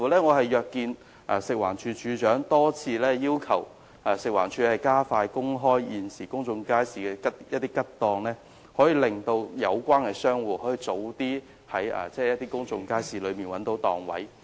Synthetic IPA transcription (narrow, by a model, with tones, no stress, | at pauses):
fu˨˩lɛː˥ŋɔː˨˧ɦɐ˨jjœː˨kːiː˧n | ɛ˨sɪ˨k̚waː˨˩nt͡ʃʰyː˨˧t͡ʃʰyː˨˧t͡ʃœː˨˥ŋt̪ɔː˥t͡sʰiː˧lɛː˥jiː˥wkʰɐ˨˩w | ɛ˨sɪ˨k̚waː˨˩nt͡ʃʰyː˨˧hɐ˨˩jkaː˥faː˧jkʊ˥ŋɦɔː˥jjiː˨nsiː˨˩kʊ˥ŋt͡sʊ˧ŋkaː˥jsiː˨kɛː˧kɐ˥jɐ˦t̚t̪iː˥kɐ˥t̚t̪ɔː˨˧ŋlɛː˥ | hɔː˨˥jiː˨˧lɪ˨ŋt̪o˧wjɐ˨˧wkʷwaː˥nkɛ˧sœː˥ŋwuː˨˩hɔː˨˥jiː˨˧t͡so˨˧˥wt̪iː˥ | hɐ˨˥jɐ̰ː˨˩t͡sɛː˥jɐ˥t̪iː˥kʊ˥ŋt͡sʊ˧ŋkaː˥jsiː˨lɵ˨˧ɥmiː˨nwɐ˨˥nt̪o˨˧˥wt̪ɔː˨ŋwɐ̰˨˥j